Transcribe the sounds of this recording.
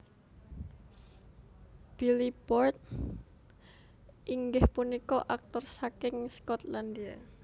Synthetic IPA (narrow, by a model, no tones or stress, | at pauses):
b̥ilipɔrt̪̚ | ʔiŋɡɪhpunikɔʔak̚t̪ɔrsakɪŋskɔt̪land̪ia